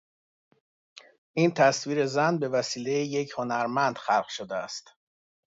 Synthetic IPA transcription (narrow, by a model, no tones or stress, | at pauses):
ʔiːnt̪ʰæsviːɾe̞zænbe̞væsiːle̞jeje̞cʰho̞næɾmænd̪̥xælɢʃod̪eæ̰st̪